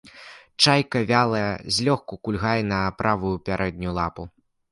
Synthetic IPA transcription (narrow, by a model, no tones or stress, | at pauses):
t͡ʂajkɐvʲalˠɐjɛzʲlʲɔxkukulʲɣajɛnɐpɾʔavujupʲaɾʔɛd̪̚ʲnʲulˠapu